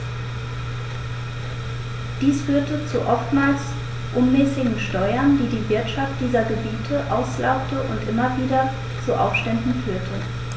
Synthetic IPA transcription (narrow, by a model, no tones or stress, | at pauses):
d̥iːsfyːɐtət͡suʔɔftmaːls | ʔʊnmɛːsɪɡŋ̩ʃtɔʏɐnd̥iːdiːvɪɐtʃaft̚d̥iːzɐɡəbiːtʰəʔaʊsla̰ʊp̚təʔʊntʔɪmɐviːdɐ | t͡suʔa̰ʊfʃtɛndn̩fyːɐtʰə